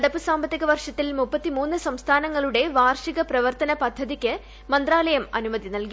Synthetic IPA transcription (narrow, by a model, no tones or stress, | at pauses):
ɐɽɐpːɨsaːmbɐt̪ːiɣɐʋɐrʂɐt̪ːilmupːɐt̪ːimuːnːɨsɐmst̪ʰaːnɐŋːɐɭuɽe̞ʋaːrʂiɣɐprɐʋɐrt̪ɐnɐpɐd̪ʱːɐðikʲːɨ | mɐnd̪ɾaːlɐjɐmɐ̰numɐðinɐlki